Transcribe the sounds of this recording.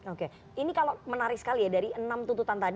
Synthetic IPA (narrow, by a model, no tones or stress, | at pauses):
oke | inikalomənaɾɪksə̥kalijadaɾiənamt̪ut̪ut̪ant̪ad